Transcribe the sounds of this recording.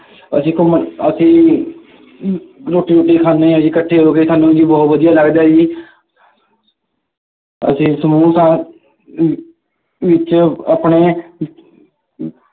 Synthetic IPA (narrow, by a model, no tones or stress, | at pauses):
əsĩːkʊməəsĩː | ɾoːʈːiːɾoːʈːiːkʰaːnːeːəsĩːkəʈʰːeːoɾoːkesʰaːnũːd͡ʒiːbɔːt̪ʋəd̪ijaːləɡd̪aːd͡ʒiː | ə̰sĩːsəmuːsãː | ʋɪt͡ʃaːpɳeː